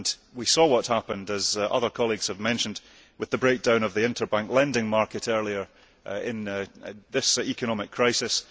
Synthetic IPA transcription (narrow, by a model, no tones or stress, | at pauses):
nwisɔwʌʔhapə̃ndəzʔʌ̰ðə˞kʰɔlˠiɡz̥əvmɛ̃nʃə̃nd | wɨðəbɹek̚d̥ãʊ̃nəvðiɪ̃ntʰə˞bãŋklˠɛ̃ndɪ̃ŋmaɹkɨʔɜ˞lˠiə˞ | ɪ̃nðɪsikənɔmɪkʰɹ̥aɪsɪs